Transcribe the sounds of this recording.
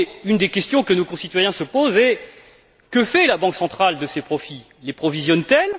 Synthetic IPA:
ynd̪ekʲɛst̪jɔ̃kənokɔ̃sit̪wajɛ̃səpozɛ | kəfɛlabɑ̃ksɑ̃t̪χald̪əsepχɔfi | lepχɔvizjɔnt̪ɛl

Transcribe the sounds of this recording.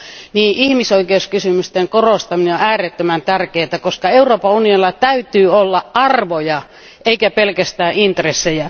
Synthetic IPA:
niːʔihmisoikeuskysymyst̪eŋkorost̪ɑmineoæːret̪ːømænt̪ærkeːt̪ækoskɑeuroːpɑunionilːɑt̪æyt̪yːolːɑʔʔɑrʋojɑ | ʔeikæpelkæst̪æːʔint̪resːejæ

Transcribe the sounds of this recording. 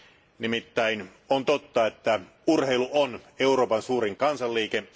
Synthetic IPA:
nimit̪ːæin | ont̪ot̪ːɑet̪ːæ | urheiluʔoneuro̞ːpɑnsuːɾiŋkɑnsɑlːiːke

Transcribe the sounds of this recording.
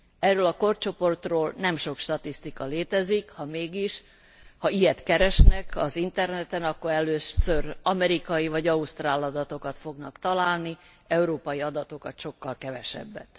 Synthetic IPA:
ɛrːøːlɒko̞rt͡ʃo̞po̞rt̪roːlnɛmʃo̞kʃt̪ɒt̪ist̪ikɒleːt̪ɛzikhɒmeːɡiʃ | hɒijɛt̪kɛɾɛʃnɛkɒzint̪ɛrnɛt̪ɛnɒkːo̞ɾɛløːsørɒmɛɾikɒjivɒɟɒust̪raːlɒd̪ɒt̪o̞kɒt̪fo̞ɡnɒkt̪ɒlaːlni | ɛuɾoːpɒjiɒd̪ɒt̪o̞kɒt̪ʃo̞kːɒlkɛvɛʃɛ̰bːɛ̰t̪

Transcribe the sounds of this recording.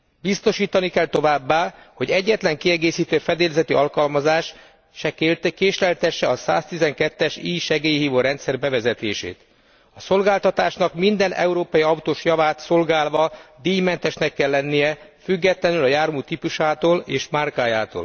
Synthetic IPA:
bist̪o̞ʃiːt̪ɒnikɛlt̪o̞vaːbːaːho̞ɟɛɟːɛt̪lɛŋkiɛɡeːsiːt̪øːfɛd̪eːlzɛt̪iʔɒlkɒlmɒzaːʃ | ʃɛkekeːʃlɛlt̪ɛʃːɛɒsa̰ːst̪izɛŋkɛt̪ːɛʃiːjʃɛɡeːjiɦiːvoːɾɛnt̪sɛrbɛvɛzɛt̪ḛːʃḛːt̪ | ɒso̞lɡaːlt̪ɒt̪aːʃnɒkmind̪ɛnʔɛ̰uɾoːpɒjiɒut̪oːʃjɒvaːt̪so̞lɡaːlvɒd̪iːjmɛnt̪ɛʃnɛkːɛlːɛnːijɛfyɡːɛt̪lɛnylɒjaːrmuːt̪ipuʃaːt̪oːleːʃmarkaːjaːt̪o̰ːl

